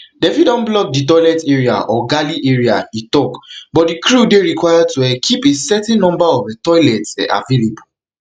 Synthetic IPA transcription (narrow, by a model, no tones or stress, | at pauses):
dɛfidɔ̃nblɔk̚ditɔɪlɛtɛɹia̰ʔɔɡaliʔeɹiaitɔkbɔt̚dikʰɹudeɹikwajatuɛkʰipesɛtɛ̃nnɔ̃mbaɔfɛtɔɪlɛtɛ̰ʔa̰velebu